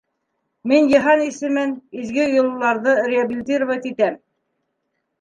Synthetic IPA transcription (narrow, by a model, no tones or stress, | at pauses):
minjɤ̆ɦɑnisɘ̆mɘnizɡɘjŏl̆ˠlˠɑɾðɤrʲɪabʲilʲt̪irvat̪it̪æm